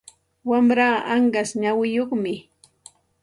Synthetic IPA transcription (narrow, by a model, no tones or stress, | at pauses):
wamɾaːaɴɢasɲawɪjoχmɪ